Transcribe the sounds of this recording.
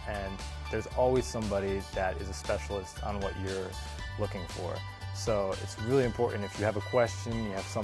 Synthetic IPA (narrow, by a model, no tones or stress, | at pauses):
ɨ̃n | ðə˞zɔlˠwiz̥sʌ̃mbɑɾiðɨɾɪ̰zɨspɛʃl̩ˠəstn̩wʌt͡ʃə˞ | lʊkɪ̃ŋfə̰˞ | soʊɪ̰tsɹɪlˠiɨ̃mpʰɔɹʔn̩tɨfjɨːvəkʰw̥ɛst͡ʃɨ̃njɨːv̥sʌ̃